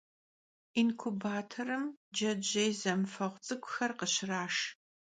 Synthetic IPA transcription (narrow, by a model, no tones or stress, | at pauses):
inkʷʰʊbaːtʰɐɾɨmd͡ʒɐd͡ʒɐjzɐmfɐʁʷt͡sʼɨkʷʼʊxɐrqəɕɪraːʂ